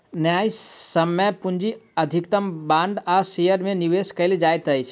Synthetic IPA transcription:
njaisəmːəpund͡ʒiəd̪ʱikt̪əmbãɳɖasejəɾmẽniʋeskəɪld͡ʒajt̪əjt͡ʃʰ

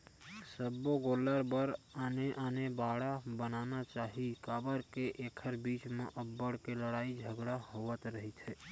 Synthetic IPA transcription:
səbːoɡoləɾbəɾaneʔanebaɽabənanat͡ʃaːɦikaːbəɾkeʔekʰəɾbit͡ʃmḛʔəbːəɽkeləɽaːid͡ʒʱəɡɽaɦoʋət̪ɾəɦit̪ʰɦɛ

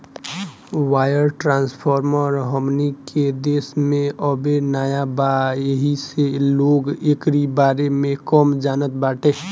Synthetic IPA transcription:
waːjəɾʈɾãnspʰɔɾməɾɦəmnikʰed̪eːsmẽəbenaːjabaeɦiseloɡekɾibaɾemẽkəmd͡ʒaːnət̪baːʈe

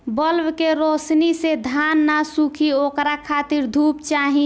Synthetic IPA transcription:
bəlwkeɾoːsnised̪ʱaːnːasukʰioːkɾakʰaːt̪iɾd̪ʱuːpt͡ʃaːɦĩ

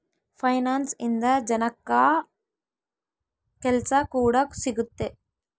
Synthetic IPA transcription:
pʰɐjnaːnsind̪ɐd͡ʒɐnɐkːa | kɛlsɐkuːɽɐsiɡut̪ːe

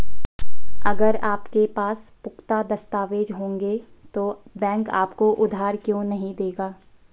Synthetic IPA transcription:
ɐɡəɾaːpkepaːspʊkt̪ad̪ɐst̪aːʋeːd͡ʒɦõːŋɡe | t̪oː | bɛ̃ːŋka̰ːpkoʔʊd̪ʱaːɾkjõːnɐɦĩd̪eːɡaː

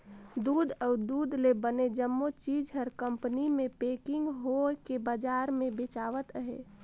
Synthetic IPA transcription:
d̪uːd̪əʊd̪uːd̪lebəned͡ʒəmːot͡ʃiːd͡ʒɦəɾkə̃mpənimẽpeːkɪ̃ŋɡɦokebad͡ʒaːɾmẽbɪt͡ʃaːʋət̪əɦḛ

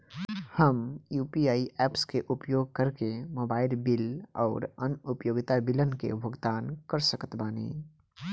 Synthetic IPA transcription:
həmjuːpiaːiʔɛːpskeʔʊpjoːɡ̚kəɾkemoːbaːɪlbɪlɔ̰ːɾənʊpjoːɡɪt̪abɪlənkḛbʱəɡt̪aːnkəɾsəkət̪baːnḛː

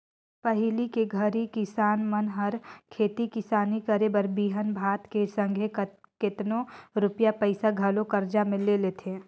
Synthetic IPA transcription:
pəɦɪlikeɡʱɐɾikɪsaːnmənɦɐɾkʰeːt̪ikɪsaːnikɐɾebəɾbiːɦənbʱaːt̪kesə̃ŋɡʱekɪt̪nõɾʊpjapəɪsaɡʱɐlokɐɾd͡ʒamɪ̃leleːt̪ʰeː

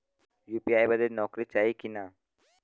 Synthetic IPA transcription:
jupiajbad̪eɾnɔkɾit͡ɕajkina

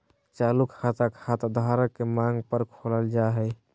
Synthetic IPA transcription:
t͡ʃalukhat̪akhat̪d̪ʱaɾəkːemãŋɡpəɾkʰoləld͡ʒaɦɛ

